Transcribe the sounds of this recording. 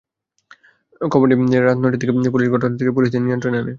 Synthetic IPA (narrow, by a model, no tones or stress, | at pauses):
kʰɔboʈieɾːad͡ʑnojʈit̪ʰːekeep̬uliʃɡʱɔʈonat̪ʰːekep̬uliʃd̪enijont̪ɾoname